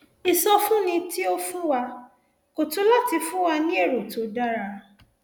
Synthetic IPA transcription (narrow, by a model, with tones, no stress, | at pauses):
i˧sɔ˧fũ˦nĩ˧ti˦o˦fũ˦wa˧ | ko˨to˨˦la˦ti˧fũ˦wa˧nĩ˦e˦˨ɾo˨to˨˦da˦ɾa˧